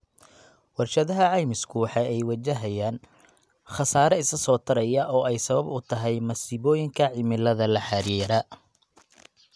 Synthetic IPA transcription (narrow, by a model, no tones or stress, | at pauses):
wɑrʃɐðɐɦɐʕɑjmɪskʰʊwɑħɑːʔɛjwɐt͡ʃɐɦɐjaːn | χɑsaːɾɐɪsɐsɔːt̪ʰɐɾɐjɐʔɔːɛjsɐβɐbʊt̪ʰɐɦɛjmɐsiːβɔːjɪŋkʰɐʕɪmɪlɐðɐlɐħɑɾiːɾɐ